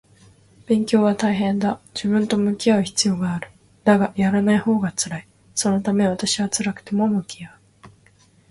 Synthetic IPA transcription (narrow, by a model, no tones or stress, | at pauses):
b̥ẽ̞ŋkʲo̞ːβ̞at̪aiɦẽ̞nd̪ad͡ʑibɯ̟̃nt̪o̞mɯ̟kʲiaɯ̟çi̥t͡sɨjo̞ːɡaːɾɯ̟̥ | d̪aɡajaɾanaiho̞ːɡat͡sɨɾai | so̞no̞t̪ame̞β̞at̪aɕiβat͡sɨɾakɯ̟̥t̪e̞mo̞mɯ̟kʲiaɯ̟